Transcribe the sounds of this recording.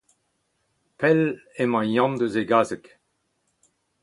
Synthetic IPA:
pɛlemɑ̃jɑ̃nd̪əzeɡaːzək

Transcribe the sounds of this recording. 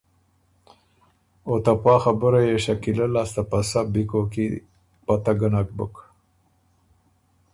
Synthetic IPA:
ot̪apɑːxabəɾajeʃakilalast̪apasabikoki | pat̪aɡənak̚bə̰k

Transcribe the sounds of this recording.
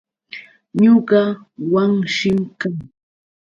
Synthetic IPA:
ɲʊɢɑ | waŋʃɪmkaŋ

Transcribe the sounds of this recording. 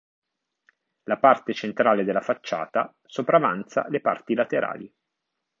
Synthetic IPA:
lapart̪et͡ʃent̪ɾaːled̪elːafat͡ʃːa̰ːt̪a | sopɾava̰nt̪sa̰lepa̰rt̪ilat̪eɾʔa̰ːli

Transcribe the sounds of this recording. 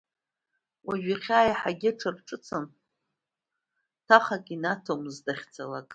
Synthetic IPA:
wʔaʒᶣaχʲaːjaħaɡʲɪʈ͡ʂʰɨrʈ͡ʂʼɨt͡sʰɨn | tʰaχakʼinatʰomzdaχʲt͡sʰala̰kʼ

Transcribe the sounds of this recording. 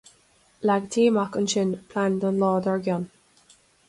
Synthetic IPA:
laɡt̪ʰiːmakənʃɪnpʰlandənlɔːdəɹɡjɔn

